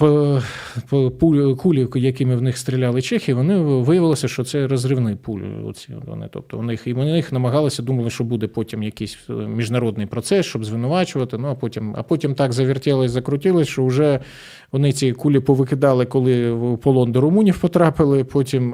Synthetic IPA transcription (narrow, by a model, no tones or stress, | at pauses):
pɔpukulʲijɐkɪmɪwnɪxst̪ɾʲilʲɑlˠɪt͡ʃɛxʲiiʋɔnɪʋɪjɐʋɪlˠɪsʲɐʃt͡ʃɔt̪sɛɾɔzrɪʋnɪpul̰ʲʊ̰sʲiɔ̰t̪ʋɔ̰nɪ̰t̪ɔ̰p̚t̪ɔ̰ɔnɪxinɪxnɐmɐɦɑlˠɪsʲɐd̪umɐlˠɪʃt͡ʃɔbud̪ɛpɔtʲimjɐkɪsʲmʲiʒnɐɾɔd̪nɪjpɾɔt̪sɛst͡ʃɔbzʋɪnʊʋɑt͡ʃʊʋɐt̪ɪnuɐpɔtʲimɐ̰pɔtʲimt̪ɑɡzɐʋʲɪrtʲɛlˠɪzɐkɾʊtʲɪlˠɪsʲʃt͡ʃɔʊʒɛ | ʋɔnɪt͡sʲikulʲipɔʋɪkɪd̪ɑlˠɪkɔlˠɪpɔlˠɔnd̪ɪɾʊmunʲiwpɔt̪ɾɑpɪlˠɪpɔtʲim